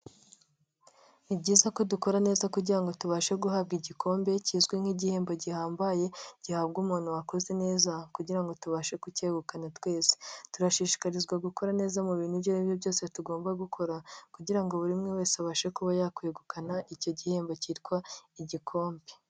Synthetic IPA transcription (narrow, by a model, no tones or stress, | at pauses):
ibɟiːzako̞duko̞ɾane̞ːzakuɟiɾaŋɡo̞tuβaːʃe̞ɡuɦab̚ɡiɟiko̞ːmbe̞ciːzɡweŋ̥hiɟihe̞ːmbo̞ɟihaːmbaje̞ɟ̥ihaːbɡuːmuːn̥uwako̞ze̞ne̞ːzakuɟiɾaŋɡo̞tuβaʃe̞kuceːɡukanatwe̞ːze̥tuɾaʃiːʃi̥kaɾizɡwaɡuko̞ɾane̞ːzamuβiːn̥hubjoiβjovjo̞ːse̞tuɡo̞ːmbaɡukʰo̞ɾakuɟiɾaŋɡo̞βuɾimŋewe̞ːsaβaːʃekuβajakueɡukanaʔico̞ɟihe̞ːmbo̞ciːtkwaiɟikʰo̞ːmbe̥